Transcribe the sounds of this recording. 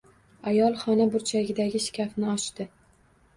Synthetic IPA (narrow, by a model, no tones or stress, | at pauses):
ajɒlˠχɒnabʊɾt͡ʃʰaɡʲɪd̪aɡʲɪʃɪ̥kʲʰafnɪɒʃt̪ɪ